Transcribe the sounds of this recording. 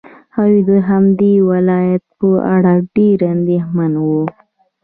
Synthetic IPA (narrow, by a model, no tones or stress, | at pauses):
awid̪əɦamd̪ewalɑjat̪̚pəʔa̰ɽaɖeɾand̪exmanwu